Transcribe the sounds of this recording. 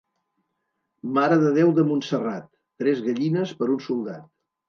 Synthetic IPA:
maɾəðəð̞ewðəmunsərat̪ːɾɛzɣəʎinəspəɾunsulˠd̪a̰t̪̚

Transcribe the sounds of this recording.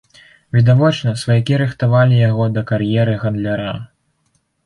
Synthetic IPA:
vʲid̪avɔt͡ʂnɐsvɐjakʲiɾɨxt̪avalʲijaɣɔd̪ɐkaɾjɛɾɨɣɐnd̪lʲaɾa

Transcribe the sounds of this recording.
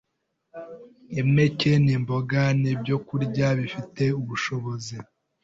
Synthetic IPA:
eme̞ce̞nimboɡanib̚ɟo̞kuɾɟaβifite̞uβuʃo̞βo̞zi

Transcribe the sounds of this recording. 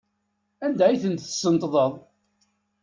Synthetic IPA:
ænd̪æiθənt̪ə̥sːənt̪ˤðˤəðˤ

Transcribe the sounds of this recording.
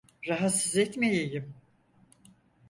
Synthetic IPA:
ɾaɦat̪sizɛt̪mejejim

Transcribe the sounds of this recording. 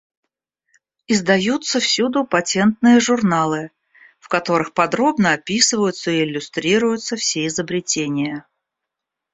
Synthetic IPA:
ɪzd̪ɐjut̪səfsʲud̪ʊpɐtʲe̞nt̪nɨjəʐʊrnalˠɨ | fkɐt̪o̞ɾɨxpɐd̪ɾo̞bnəɐpʲisɨvəjʊt̪səɪɪlʲːʊst̪ɾʲiɾʊjʊt̪səfsʲeɪzəbɾʲɪtʲenʲɪjə

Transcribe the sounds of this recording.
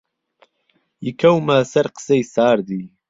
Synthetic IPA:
jikʰɐwmasɐɾqə̥sejsaːɾd̪iː

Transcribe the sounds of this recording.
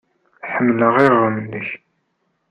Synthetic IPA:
ħəmːləʁirˤːəmənːəç

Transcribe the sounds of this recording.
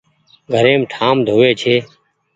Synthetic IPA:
ɡʱəɾeːmʈʰaːmd̪ʱoːʋeːt͡ʃʰeː

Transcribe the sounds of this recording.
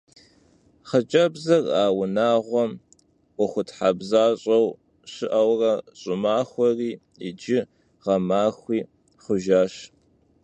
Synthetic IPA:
χət͡ʃʼɐbzɐraːwʊnaːʁʷɔm | ʔʷɔxʷʊtħabzaːɕʼɐw | ɕɨʔɐwrɐɕʼʊmaːxʷɔriː | ɪ̰d͡ʒɪ | ʁɐmaːxʷiː | χʷʊʒaːɕ

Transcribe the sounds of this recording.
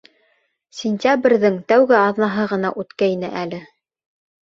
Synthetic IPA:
sʲɪnʲtʲabrʲðɘŋt̪æwɡɘɑðnɑɦɤʁɤ̆nɑʔʉt̪kæjnɘ̰ʔælɘ

